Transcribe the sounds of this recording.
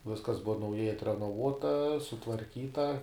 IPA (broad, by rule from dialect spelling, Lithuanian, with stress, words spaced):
ˈʋʲɪskɐs ˈbʊʋɐ nɐʊˈjɛɪ ɐtʲrʲɛnoːˈʋuɔtɐ sʊtʋɐrʲˈkʲiːtɐ